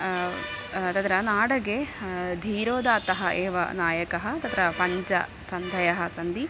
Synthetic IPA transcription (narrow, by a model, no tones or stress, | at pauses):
t̪ɐt̪ɾɐnaːɽɐɡed̪ʱiːɾoːd̪aːt̪ɐɦɐʔeːʋɐ̰naːjɐkɐɦɐt̪ɐt̪ʰɾɐpɐɲd͡ʒɐ̰ | sɐnd̪ʱɐjɐɦɐsɐnd̪i